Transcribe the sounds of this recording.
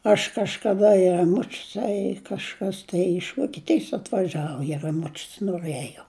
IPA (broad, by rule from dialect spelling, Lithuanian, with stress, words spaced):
ɐʃ kɐʃkɐˈdɐ ɪ rɐˈmʊt͡ʃʲʊs ɐ ɪ kɐʃˈkɐs tɐɪ ɪʃ ʋoːkʲiɛˈtʲɪjs ɐtʋɐˈʒʲæːʋoː ɪ rɐˈmʊt͡ʃʲʊs noːˈrɘjoː